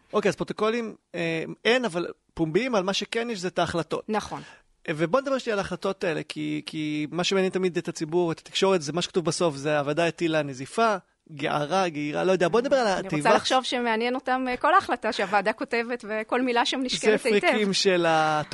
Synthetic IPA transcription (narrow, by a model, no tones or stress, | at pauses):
o̞keaz̥pʁot̪o̞ko̞limeenaval | pumbimalmaʃekenjeʃ̬zeetaːχlato̞tnaχon | vebo̞ned̪abeʃlialaːχlato̞taelḛkʰikʰimaʃemeanjent̪amid̪etat͡sibuʁetḁt̪i̥kʃo̞ʁetzemaʃe̥kḁtuvbaso̞fzeavadaetilanezifa | ɡeʔa̰ʁaɡeiʁa̰lo̞jodeabo̞ned̪abe̞ʁalatʁejvalaχʃovʃemeanjeno̞tamko̞laːχlataʃeavaːdako̞te̞vetveko̞lmilaʃamniʃkzefʁitimʃelat